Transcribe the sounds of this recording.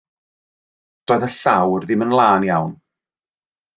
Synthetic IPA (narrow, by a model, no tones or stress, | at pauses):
d̥oːðəɬawrðɪmənlˠaːnjawn